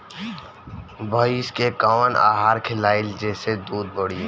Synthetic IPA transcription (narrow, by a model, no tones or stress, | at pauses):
bʱəiskekaʋənʔa̰ːɦaːɾkʰɪlaːɪld͡ʒɛːsed̪uːd̪̚bəɽ̤i